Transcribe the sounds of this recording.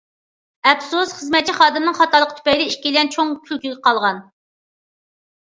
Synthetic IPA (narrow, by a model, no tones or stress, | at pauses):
ɛpsusχəzmɛt̪̚t͡ʃʰːiχɑːd̪ɪmnɨŋχɑt̪ɑlˠəqʰə̥t̪ʰy̥pɛjlɪiʃkʲilɛnt͡ʃʰoŋkʲʰylkʲiɡʲɛqʰɑlˠʁɑn